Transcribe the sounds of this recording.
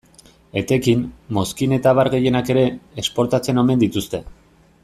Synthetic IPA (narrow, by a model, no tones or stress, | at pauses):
e̞t̪e̞kimːo̞skine̞t̪aβ̞aɾɣe̞je̞nake̞ɾe̞ːspo̞ɾt̪at͡se̞no̞me̞nd̪it̪ust̪e̞